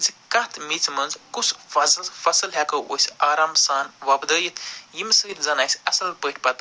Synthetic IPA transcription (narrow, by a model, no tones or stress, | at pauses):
zikɐt̪ʰmit͡smɐnzkusfɐzɐlsfɐsɐlɦʲakəʔo̰sʲaːɾaːmsaːnʋɐbd̪əjit̪ʰjimsɨɾʲzɐnaːjsʲɐsɐlpəʈʰʲpɐt̪